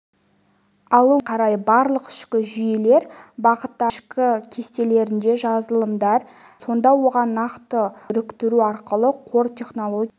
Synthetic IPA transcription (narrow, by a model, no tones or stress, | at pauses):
ɑlˠuqʰɑɾɑjəbɑɾlˠəqɪ̥ʃkʲɪʒʏjele̞ɾbɑqət̪ːɑʃkʲɪkʲʰe̞st̪e̞le̞ɾɪnd̪e̞ʒɑzəlˠəmd̪ɑɾ | so̞nd̪ɑwo̞ʁɑnːɑqt̪əɾʏkt̪ɪɾuɑɾqəlˠəqʰo̞rt̪ʲʰe̞χno̞lˠo̞ɡʲ